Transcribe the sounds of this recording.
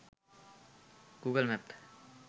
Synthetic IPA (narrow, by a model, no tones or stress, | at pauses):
ɡ̥uɡəlmɛp̚t̪ʰ